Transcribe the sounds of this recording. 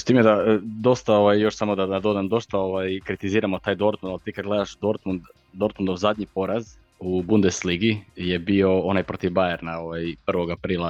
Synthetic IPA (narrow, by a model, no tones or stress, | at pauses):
t̪iːmjed̪ad̪o̞st̪ao̞ʋajːo̞ʃsamo̞d̪aad̪o̞d̪amd̪o̞st̪aoʋajkɾit̪iziːɾamot̪aːjd̪o̞ɾt̪mund̪alˠt̪iːkad̪ɡle̞d̪aʃd̪o̞ɾt̪mund̪ | d̪o̞ɾt̪mund̪ozad̪ɲipo̞ɾaz | ubund̪esliɡijebio̞o̞najpɾot̪ivbajeɾnao̞ʋajpr̩ʋo̞ɡapɾiːlˠa